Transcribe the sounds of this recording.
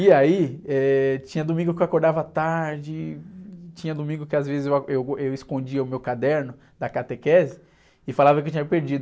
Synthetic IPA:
iaiɛt͡ʃĩɲɐd̪omĩŋɡʊkewakoɾd̪avɐat̪aɾd͡ʒɪ | t͡ʃĩɲɐd̪omĩŋɡʊkɪazvezɪzewaewewɪskõd͡ʒiɐʊmewkad̪ɛɾnʊ | d̪ɐkat̪ekɛzɪ | ɪfalavɐk̬ewt͡ʃĩɲɐpeɾd͡ʒid̪ʊ

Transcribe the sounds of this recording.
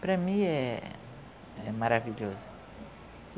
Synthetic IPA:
pɾɐmĩɛ | ɛmaɾaviʎozʊ

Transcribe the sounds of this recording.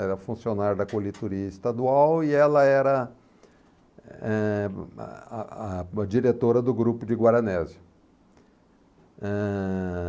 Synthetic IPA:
ɛɾɐfũsionaɾjɐd̪ɐkolit̪uɾiɐist̪ad̪uawiɛlɐɛɾɐ | ɛ | d͡ʒiɾet̪oɾɐd̪ʊɡɾupʊd͡ʒɪɡwaɾɐnɛzɪ | ɛ

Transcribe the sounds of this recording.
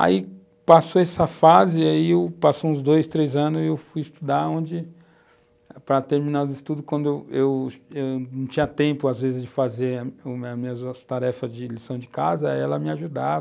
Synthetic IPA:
a̰i | pasoɛsɐfazɪaiewpasoũzd̪ojst̪ɾejzɐ̃nʊzewfujɪst̪ud̪aɾõnd͡ʒɪ | pɾɐt̪eɾmĩnazɪst̪ud̪ʊkwɐ̃nd̪ʊewewewnɐ̃w̃t͡ʃĩɲɐt̪ẽmpʊazvezɪzd͡ʒɪfazeɾɐʊɐmĩɲɐzt̪aɾɛfɐzd͡ʒɪlisɐ̃w̃d͡ʒɪkazɐɛlɐmɪaʒud̪avɐ

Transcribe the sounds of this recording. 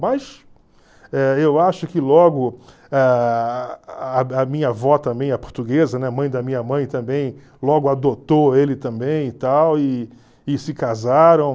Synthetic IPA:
mɐs | ɛewaʃʊkɪlɔɡʊ | a | ɐmĩɲɐvɔt̪ɐ̃mbẽj̃ɐpo̥ɾt̪uɡezɐnɛamɐ̃j̃d̪ɐmĩɲɐmɐ̃j̃t̪ɐ̃mbẽj̃ | lɔɡʊad̪ot̪oelɪt̪ɐ̃bẽj̃ɪt̪awɪ | ɪsɪkazaɾɐ̃w̃

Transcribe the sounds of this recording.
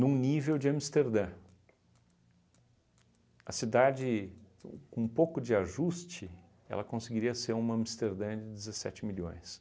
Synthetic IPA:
nũnivewd͡ʒɪɐ̃mist̪eɾd̪ɐ̃ | ɐsid̪ad͡ʒɪ | kõũpokʊd͡ʒɪaʒust͡ʃɪ | ɛ̰lɐkõsɪɡiɾiɐseɾũmɐɐ̃mist̪eɾd̪ɐ̃d͡ʒɪd͡ʒɪzesɛ̰t͡ʃɪmiʎõ̰j̃s

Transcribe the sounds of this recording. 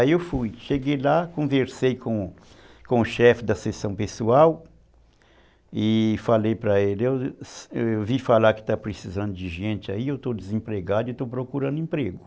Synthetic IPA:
aiewfujʃeɡejlakõveɾsejkʰõ | kõʊʃɛfɪd̪ɐsesɐ̃w̃pesuaw | ɪfalejpɾɐelɪewsewvifalaɾkɪ̥t̪apɾesizɐ̃nd̪ʊd͡ʒɪʒẽnt͡ʃ̪ɪaiewt̪od̪ɪzẽpɾeɡad̪ʊet̪owpɾokuɾɐ̃nd̪ʊẽpɾeɡʊ

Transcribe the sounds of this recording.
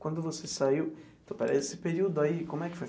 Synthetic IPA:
kwɐ̃nd̪ʊvosesaiw | t̪opaɾɐ̰esɪ̥peɾiuwd̪ʊaikõmʊɛkɪ̥foj

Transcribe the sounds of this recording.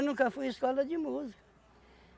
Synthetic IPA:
nũkɐfujɪskɔlɐd͡ʒɪmuzikɐ

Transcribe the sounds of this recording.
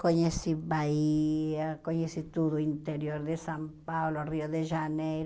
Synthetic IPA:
koɲesibaiakoɲesit̪ud̪oint̪eɾjoɾd̪esampabloriod̪eʒanejɾ

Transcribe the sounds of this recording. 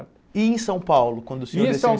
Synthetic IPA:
ẽẽj̃sɐ̃w̃pawlʊkwɐ̃nd̪ʊsɪesɐ̃

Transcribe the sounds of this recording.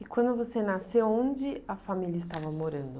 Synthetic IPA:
ɪkw̃nd̪ʊvosenasewõd͡ʒɪɐfamilʲɐɪst̪avɐmoɾɐ̃nd̪ʊ

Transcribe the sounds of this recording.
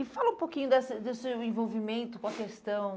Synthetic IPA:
ɪfalɐũpokĩɲʊd̪ɛsɐd̪esewẽvowvimẽnt̪ʊkõɐkest̪ɐ̃w̃

